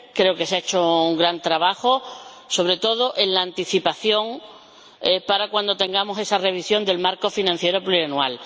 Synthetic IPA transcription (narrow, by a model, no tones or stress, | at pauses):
kɾe̞okesaet͡ʃouŋɡɾant̪ɾaβaxo | so̞βɾe̞t̪o̞ð̞oʔenlaːnt̪iθipaθjo̞ŋ | paɾakwand̪o̞t̪e̞ŋɡamose̞sare̞β̞isjo̞nd̪e̞lmaɾko̞finãn̟θje̞ɾopluɾianual